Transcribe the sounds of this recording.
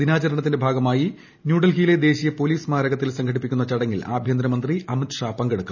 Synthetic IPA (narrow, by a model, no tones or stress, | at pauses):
d̪inaːt͡ɕɐɾɐɳɐt̪̬ːindebʱaːɡɐmaːji | njuːɽɐlkijile̞d̪e̞ːɕijɐpo̞liːsmaːɾɐɣɐt̪ːilsɐŋkʰɐɽipːikʲːunːɐt͡ɕɐɽɐŋːila̰ːbʱjɐnd̪ɾɐmɐnd̪riɐmit̪ʂaːpɐŋɡɐɽukː